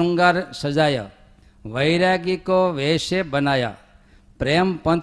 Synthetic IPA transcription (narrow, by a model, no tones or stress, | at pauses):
əŋɡaɾsəd͡ʒaːja̰ | ʋəjɾaɡikoʋeʃebənaja̰ | pɾeəmpə̃n